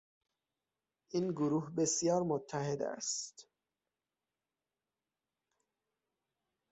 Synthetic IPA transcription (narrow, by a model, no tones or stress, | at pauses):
ʔiːnɡoɾuːhbesjɒːɾmot̪ʰːæɦe̞d̪æ̰stt̪